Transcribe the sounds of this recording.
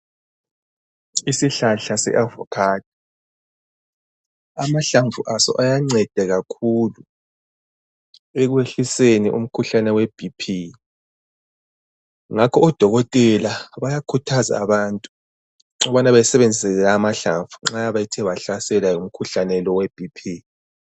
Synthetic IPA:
isiɬaɬasɛ̰ʔavɔ̰kʰaːtʰi | amaɬaɱfuʔasɔ̰ʔajaŋ͡ǀɛd̥ʱɛɣakʰulu | eɣweɬiseniʔṵm̩kʰuɬanɛwɛb̥ʱipʰi | ŋakʰɔɔd̥ʱɔɣɔtʼɛlaβajakʰutʰaza̰ːβaːntʼu̥ | ŋɔβanaβajasɛβɛnd͡zʱɛɛlaːmaɬa̰ɱfuŋ͡ǁajaβajitʰɛβaɬasɛlajum̩kʰuɬanɛlɔwɛb̥ʱipʰi

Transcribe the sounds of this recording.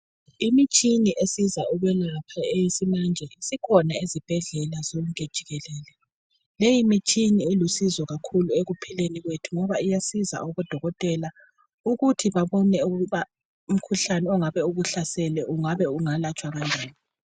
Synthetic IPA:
imit͡ʃʼiniʔesizaɔɣwɛlapʰaejisimand͡ʒʱɛisikʰɔnaizib̥ʱɛɮɛlaz̥ɔɣukʼed̥ʒ̥ʱiɣɛlɛːlɛ | lejimit͡ʃʼinielusizɔɣakʰulueɣupʰileniɣwetʰuŋɔβaijasiza̰ɔβɔd̥ʱɔɣɔtʼɛla | uɣutʰiβaβɔnɛuɣuβa | um̩kʰuɬanɛɔŋaβɛuɣuɬasɛlɛʔuŋaβɛuŋalat͡ʃʼwaɣand͡ʒʱaːni

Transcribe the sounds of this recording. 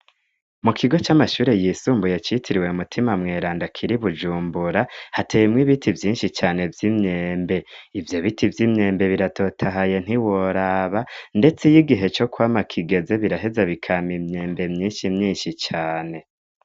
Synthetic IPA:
mukʰiɡo̞t͡ʃamaʃuːɾe̞jiːsuːmbujet͡ʃitʰiɾiwe̞umutʰimamŋe̞ːɾaːndakʰiɾiβud͡ʒuːmbuɾahatʰejemŋiβitʰivjiːnʃit͡ʃaːne̞vjimɲeːmbe̞ivjo̞βitivjimɲe̞ːmbe̞βiɾatʰo̞tʰaɦaje̞n̥iwoɾaːβande̞t͡sejiɡiɦe̞t͡ʃo̞kwaːmakʰiɡe̞ze̞βiɾaɦe̞zaβikʰamimɲe̞ːmbe̞mɲiːnʃimɲiːnʃit͡ʃaːne̞

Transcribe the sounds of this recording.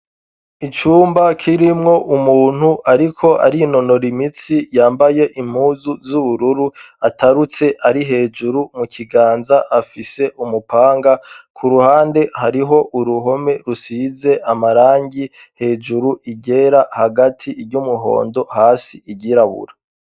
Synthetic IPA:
it͡ʃuːmbakʰiɾimŋo̞ʔumuːn̥huʔaɾikʰo̞ʔa̰ɾino̞no̞ɾimit͡sijaːmbaje̞ʔim̥huːzuzuβuɾuɾu | atʰaɾut͡se̞ʔaɾiɦe̞ːd͡ʒuɾumukʰiɡaːnzaʔafise̞ʔumupʰaːŋɡakʰuɾuhaːnde̞haɾiɦo̞ʔuɾuɦo̞me̞ɾusiːze̞ʔamaɾaːŋɟi | he̞ːd͡ʒuɾuʔiɟe̞ɾahaɡatʰiɾɟumuɦo̞̰ːndo̞haːsiiɟiɾaβṵɾa

